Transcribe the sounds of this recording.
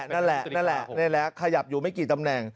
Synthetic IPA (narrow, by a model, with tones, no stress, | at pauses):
na˦˥˩nlɛ˨˩ʔna˦˥˩nlɛ˨˩ʔnɛ˧˩lɛː˦˥kʰːa˧ja˨˩p̚juː˨˩ma˥˩jkiː˨˩t̪a˧mnɛ˨˩ŋ